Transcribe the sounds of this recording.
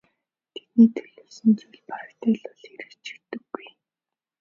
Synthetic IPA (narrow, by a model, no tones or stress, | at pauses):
t̪ʰet̪niːt̪ʰɵɮɵːwsɵ̆nt͡sujɮpaɾrt̪eːɮʊɮeɾɘ̆kt͡ɕĭ̥kt̪ːɵ̆ɡːuj